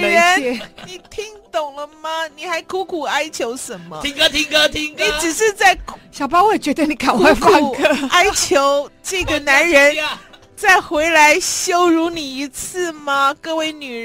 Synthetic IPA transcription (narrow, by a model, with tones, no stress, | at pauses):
ɻə˧˥ɛ˧ni˨˩t̪ʰi˧˥ŋt̪ʊ˨˩ŋlə˦mɐ˨ni˨˩xa˧˥ɪkʰu˧˥kʰu˨˩a˥ɪt͡ɕʰjo˧˥ʊʂə˧˥nmə˧i˧˥ŋ˥t̪ʰi˧˥ŋkə˧t̪ʰi˧˥ŋni˨˥ʈ͡ʂɻ̩˨˩ʂɻ̩˥˧t͡sa˥˩ɪɕjɑ˨˩ʊpɑ˥we˥˩t͡ɕɥɛ˧˥d̪ə˧ni˨˩˥ka˨˩nxwe˥˩ɪfa˥˧ŋkʰə˥˧a˥ɪt͡ɕʰjo˧˥ʊʈ͡ʂɤ˥˩ɡə˨˩na˧˥nɻə˧˥n | t͡sa˥˩ɪxwe˧˥ɪla˧˥ɪɕjo˥ʊɻu˧˥ni˨˩i˧˥t͡sʰɹ̩˥˩mɐ˨kɤ˥˧we˥˩ɪny˨˩